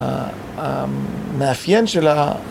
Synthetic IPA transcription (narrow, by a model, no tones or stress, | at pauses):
meafjenʃela